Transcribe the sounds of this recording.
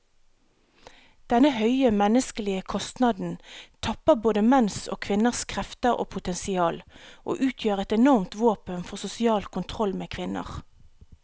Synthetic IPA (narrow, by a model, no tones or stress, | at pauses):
d̪̥ɛnəhœʏəmɛnəskəlɪəkʰɔst̪nɑd̪n̩t̪ʰɑpəʁboːd̪əmɛnso̰ːkʰʋɪnəʁskʰʁɛft̪əʁo̰ːpʰʊt̪ɛnsɪɑːlʔo̰ːʔʉːt̪ʰjøːʁɛt̪ɛnɔʁmt̪ʋoːpənfɔʁsʊsɪɑːlkʰʊnt̪ʰʁɔlmeːkʰʋɪnə̰ʁ